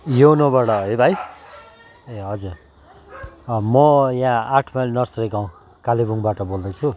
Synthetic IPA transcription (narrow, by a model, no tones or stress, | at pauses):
jonʌbʌɽʌɦʌjbʱaj | eɦʌd͡zur | mʌjãaʈʰmajlnʌrsrekaw̃ | kalibuŋbaʈʌbold̪ʌt͡sʰu